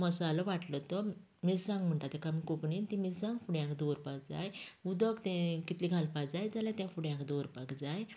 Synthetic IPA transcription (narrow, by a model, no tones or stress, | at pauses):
məsaləʋaʈlət̪ə | mid͡zsãŋɡm̤əɳʈ̪at̪ɛkamikokɳint̪imisãŋɡfuɽjãkd̪oɾpak̚d͡zajud̪əkt̪ɛ̃kit̪liɡʱalpad͡zajd͡zalãt̪ɛ̃fuɽjãkd̪oɾpakd͡zaj